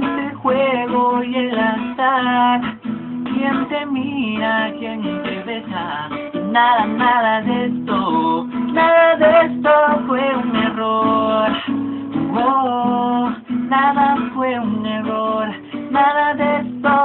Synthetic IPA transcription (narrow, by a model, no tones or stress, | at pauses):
nt̪exweɣojelat̪aɾkjent̪e̞miɾakjent̪eβesa | naðanaðaðest̪onaðaðest̪ofwe̞uneroɾ | o | naðafwe̞uneroɾ | naðaðest̪o